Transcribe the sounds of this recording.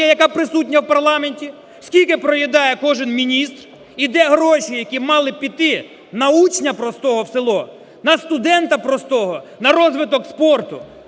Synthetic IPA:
ɛjɐkapɾɪsut̚ʲnʲɐwpɐrlˠɑmenʲtʲi | skʲilʲkɪpɾɔjid̪ɑjɛkɔʒɪnmʲinʲist̪r | id̪ɛɦɾɔʃijɐkʲimɑlˠɪpʲit̪ɪ | nɐut͡ʃnʲɐpɾɔst̪ɔɦɔwselˠɔ | nɐst̪ʊd̪ɛnt̪ɐpɾɔst̪ɔɦɔnɐɾɔzʋɪt̪ɔkspɔrt̪ʊ

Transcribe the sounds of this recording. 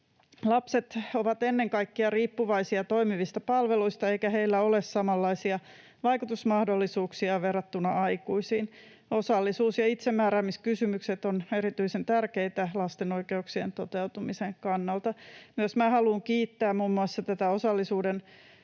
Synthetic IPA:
lɑpset̪oʋɑt̪enːeŋkɑikːiɑriːpːuʋɑisiɑt̪oimiʋist̪ɑpɑlʋeluist̪ɑeikæheilːæolessɑmɑlːɑisiɑ | ʋɑikut̪usmɑhdolːisuːksiɑʋerɑt̪ːunɑʔɑikuisiːn | osɑlːisuːsjɑit̪semːæːɾæːmiskysymykset̪oneɾit̪yisent̪ærkeit̪ælɑst̪enoikeuksient̪ot̪eut̪umiseŋkɑnːɑlt̪ɑmyøsmæːhɑluːŋkiːt̪ːæːmmumːuɑsːɑt̪æt̪æosɑlːisuːden

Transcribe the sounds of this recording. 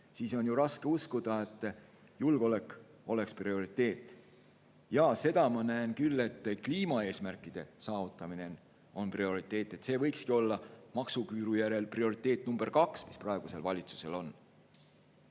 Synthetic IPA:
siːso̞njuɾɑske̞uskud̪̥ɑe̞t̪ːˑ | julɡ̥eo̞le̞kːˑ | o̞le̞ksprio̞ɾit̪ːˑe̞ːt̪ːˑ | jɑse̞d̪̥ɑmɑnæenkylːe̞t̪ːkliːmɑe̞ːsmærkˑːid̪̥e̞sɑːvut̪ːˑɑmine̞n | o̞nprio̞ɾit̪ːˑe̞ːt̪ːˑe̞t̪se̞ːvɤjkskio̞lːɑmɑksukyːɾujæɾe̞lprio̞ɾit̪ˑːe̞ːt̪̚numb̥e̞rkɑksmi̥sprɑe̞ɡ̥use̞lvɑlʲit̪su̥se̞̰lo̞n

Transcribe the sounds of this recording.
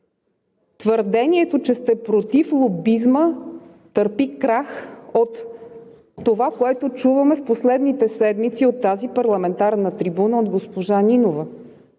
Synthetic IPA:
t̪vəɾd̪ɛniɛt̪ot͡ʃɛst̪ɛpɾot̪iflˠobizmə | t̪əɾpikɾaxot̪ː | ovakoɛt̪ot͡ʃuvəmɛfposlɛd̪nit̪ɛsɛd̪mit̪siot̪ːazipɐɾlˠɐmɛnt̪aɾnət̪ɾibunəod̪ɡospoʒaninovə

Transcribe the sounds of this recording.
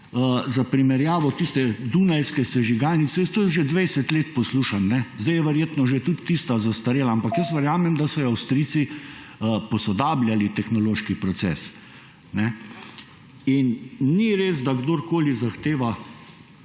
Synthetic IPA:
əzapɾimɛɾjaːʋɔt̪ist̪ɛd̪unajskɛsɛʒiɡaːlnit̪sɛjt̪oːjɛʒed̪ʋɛjsɛt̪leːt̪pɔsluːʃanːɛzd̪ɛjɛʋɛɾjeːt̪nɔʒet̪ut̪ːist̪azast̪aɾeːlaampakjəsʋəɾjaːmɛmd̪asɔawst̪ɾiːsiəpɔsɔd̪aːblʲjalit̪ɛxnɔloːʃkipɾɔsɛ̰ːs | nɛ | inniɾeːzd̪aɡd̪oːɾkoːlizaxt̪eːʋa

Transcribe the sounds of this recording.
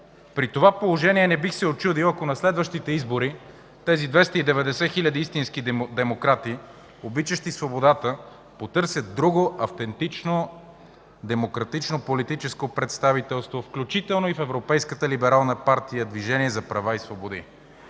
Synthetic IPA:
pɾit̪ovapolˠoʒɛniɛnɛbixsɛot͡ʃud̪ilˠɐkonɐslɛd̪vəʃt̪it̪ɛizboɾi | t̪ɛzid̪vɛst̪əid̪ɛvɛd̪ɛsɛxilʲɐd̪iist̪inskid̪ɛmokɾat̪i | obit͡ʃəʃt̪isvobod̪at̪ə | pot̪ɤɾsʲjət̪̚d̪ɾuɡoʔɐft̪ɛnt̪it͡ʃno | d̪ɛmokɾɐt̪it͡ʃnopolit̪it͡ʃɛskopɾɛt̪st̪avit̪ɛlˠst̪vofklʲut͡ʃit̪ɛlˠnoifɛvɾopɛjskət̪əlibɛɾalˠnəpaɾt̪ijəd̪viʒɛniɛzɐpɾɐvaisvobod̪ḭ

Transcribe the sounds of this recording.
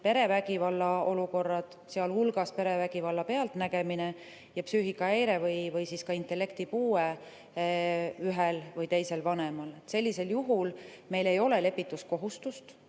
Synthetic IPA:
pe̞ɾe̞væɡ̥ivɑlːɑo̞luko̞rːɑd̪̥ | seɑlhulɡ̥ɑspe̞ɾe̞væɡivɑlːɑpe̞ɑlt̪næɡe̞mine̞ | jɑpsyːɦikːˑɑejɾe̞vɤjvɯjsiskɑint̪ˑe̞lːe̞kt̪ipuːe | yɦelvɤjt̪e̞jse̞lvɑnemɑle̞t̪se̞lʲːise̞ljuɦulme̞jle̞jo̞le̞le̞pːit̪ːˑusko̞ɦust̪ust̪

